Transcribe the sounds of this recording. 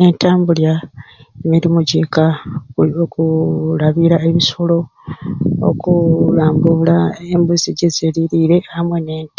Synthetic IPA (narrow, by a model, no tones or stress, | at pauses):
e̞ntaːmbuljaemiɾimuɟeka | okulaβiɾae̞βisolo̞ | o̰kulaːmbulaembuziɟezeliɾiɾe̞amweneːnt